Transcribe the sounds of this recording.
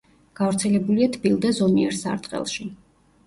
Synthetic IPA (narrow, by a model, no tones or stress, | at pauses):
ɡ̥avɾt̪sʰɛlɛbuliat̪ʰbilˠd̪azɔmiɛɾsa̰ɾt̪ʼqʼɛ̰lˠʃi